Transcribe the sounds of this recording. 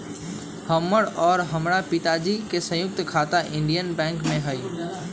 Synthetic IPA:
həmːəɽɔːɾɦəmɾapɪt̪ad͡ʒikesə̃jʊk̚t̪kʰaːt̪aʔɪ̃ɳɖijənbɛ̃ːŋkmẽɦəj

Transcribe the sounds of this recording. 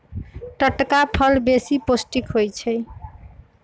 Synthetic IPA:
ʈəʈkapʰʌlbesiposʈikɦojt͡ʃʰəj

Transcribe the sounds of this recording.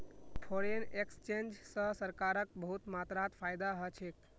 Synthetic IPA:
pʰoɾenekst͡ʃend͡ʒsə̃səɾkaɾək̚bəɦut̪mat̪ɾat̪pʰajd̪aɦət͡ʃʰek

